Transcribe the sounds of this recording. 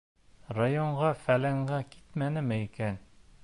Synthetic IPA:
rajoɴɢɑfælæŋɢækit̪mænɘ̆mɘikæn

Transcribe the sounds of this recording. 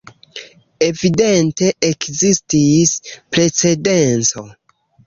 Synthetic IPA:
e̞vide̞nte̞ʔekzistispɾe̞t͡se̞de̞nt͡so̞

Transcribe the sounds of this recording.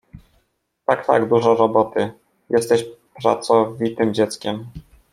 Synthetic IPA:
t̪akt̪a̰ɡd̪uʐɔɾɔbɔt̪ɘ | jʔɛst̪ɛɕpɾa̰t̪sɔvʲit̪ɘmd͡ʑɛt̪skʲɛm

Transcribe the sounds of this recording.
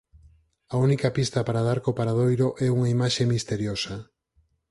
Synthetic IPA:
aunikapist̪apaɾaðaɾkopaɾað̞ojɾoʔɛuŋaimaʃemist̪eɾjosa

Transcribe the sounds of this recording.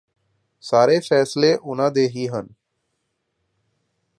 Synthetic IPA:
saːɾefɛːsleʔʊnãd̪eːɦiɦən

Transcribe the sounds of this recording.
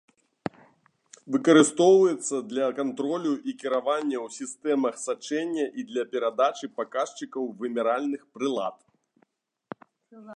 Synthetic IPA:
vɨkɐɾɨst̪ɔwvɐjɛt̪sːɐd̪lʲɐkant̪ɾɔlʲuʔikʲiɾavanʲːɐwsʲist̪ɛmɐxsat͡ʂɛnʲːɐʔid̪lʲɐpʲɛɾad̪at͡ʂɨpakaʂt͡ʂɨkɐwvɨmʲɛɾalʲnɨxpɾɨlˠa̰t̪

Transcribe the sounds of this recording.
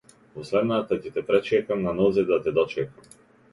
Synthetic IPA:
vɔslɛd̪nat̪acɛt̪ɛpɾɛt͡ʃɛkamnanɔzɛd̪at̪ɛd̪ɔt͡ʃɛkam

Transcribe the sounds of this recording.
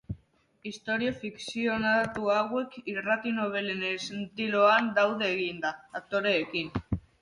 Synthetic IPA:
ist̪o̞ɾiofiksio̞nat̪uaɣwe̞kirat̪ino̞β̞e̞lenesent̪iloand̪awðeːɣind̪aat̪o̞ɾe̞ːkin

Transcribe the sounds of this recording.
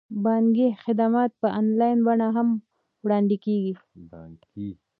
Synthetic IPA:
bɑnɡixɪd̪amɑːt̪̚pəʔanlɑjnbaɳaɦam | wɽɑnd̪ikeɡi | baɡi

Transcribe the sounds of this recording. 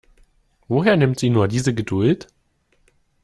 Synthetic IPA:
voːɦeːɐnɪmtz̥iːnuːɐdiːzəɡədʊlt

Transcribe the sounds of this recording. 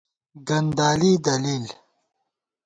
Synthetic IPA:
ɡɐnd̪aːlid̪ɐlil

